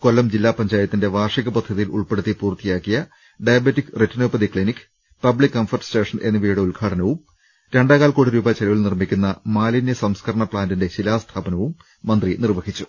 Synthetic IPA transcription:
ko̞lːɐmd͡ʑilːaːpɐɲd͡ʑaːjɐt̪ːinde̞ʋaːrʂiɣɐpɐd̪ʱːɐðijilṵɭpe̞ɽut̪ːipuːrt̪ːijaːkːijɐ | ɖɐjɐbetːikːretːɐnoːpɐd̪ikɭinikː | pɐbɭikːɐmfɐrʈste̞ːʂɐnʔe̞̰nːuʋijuɽe̞ulɡʰʱaːʈʰɐnɐʋum | ɾe̞ɳɖaːɣaːlkoːɽiɾuːbɐt͡ɕelɐʋilnirmikʲːunːɐmaːlinjɐsɐmskʰɐɾɐɳɐpɭaːndinde̞ɕilaːst̪ʰaːbɐnɐʋumː | ɐnd̪rinirʋɐɦit͡ɕːu̥

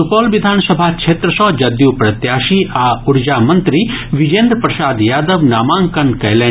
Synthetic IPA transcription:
upɔːlʋid̪ʱaːnsɐbʱaːkt͡ʃʰeːt̪ɾəsɔ̃ːd͡ʒɐd̪juːpɾɐt̪jaːʃiaːuɽd͡ʒaːmɐnt̪ɾiʋid͡ʒeːnd̪pɾɐsaːd̪jaːd̪əʋnaːmãːŋkɐɳkɐjlẽː

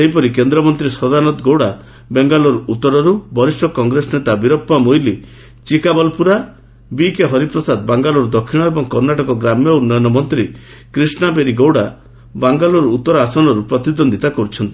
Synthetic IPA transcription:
seɦipɔɾikend̪ɾɔmɔnt̪ɾisɔd̪anɔt̪ɡowɽa | beŋɡalɔɾut̪ːɔɾɔɾubʱɔɾisʈɔkɔŋɡɾesɔnet̪abiɾɔpːamojli | t͡ʃikabɔlpuɾa | bikeɦɔɾipɾɔsad̪baŋɡalɔɾud̪ɔkʰːiɽ̃ɔebɔŋkɔɾnaʈɔkɔɡɾamjɔunːɔjɔnɔmɔnt̪ɾi | kɾisnabeɾiɡowɽa | baŋɡalɔɾuut̪ːɔɾɔasɔnɔɾupɾɔt̪id̪ɔnd̪ʱit̪akɔɾut͡ʃʰɔnt̪i̥

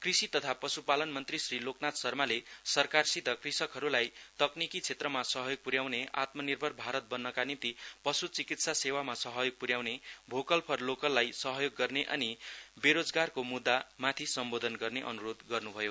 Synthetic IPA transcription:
krisit̪ʌt̪ʰapʌsupalʌnmʌnt̪risriloknat̪sʌrmalesʌrkarsid̪ʱʌkrisʌkɦʌɾulajt̪ʌknikit͡sʰet̪rʌmasʌɦʌjoɡ̚puɾjawneʔa̰t̪mʌnirbʱʌrbʱaɾʌt̪̚bʌnːʌkanint̪ipʌsut͡sikit̪sasewamasʌɦʌjoɡ̚puɾjawnebʱokʌlpʰʌrlokʌlːajsʌɦʌjoɡːʌrneʔʌ̰nibeɾod͡zɡarkomud̪ːamat̪ʰisʌmbod̪ʱʌnɡʌrneʔʌ̰nuɾod̪ɡʌrnubʱʌjo

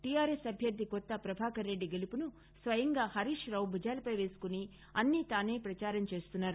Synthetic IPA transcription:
ʈijaːɾesɐbʱjɐɾd̪ʱːikɔt̪ːɐpɾɐbʱaːkɐɾːe̞ɖːiɡelupunu | sʋɐjɐŋɡaːhɐɾiːʂɾɐwbʱud͡ʒaːlɐpɐjʋe̞ːsu̥kuni | ɐnːit̪aːne̞ːpɾɐt͡ʃaːɾɐmt͡ʃe̞ːst̪unːaːɾu

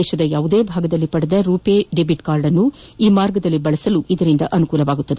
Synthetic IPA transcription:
eːʃɐd̪ɐjaːʋud̪e̞ːbʱaːɡɐd̪ɐlːipɐɽɐd̪ɐɾuːpeːɖebiʈkaːɾɖɐnːuiːmaːɾɡɐd̪ɐlːibɐɭɐsɐluʔid̪ɐɾind̪ɐʔɐnukuːlɐʋaːɡut̪ːɐd̪e

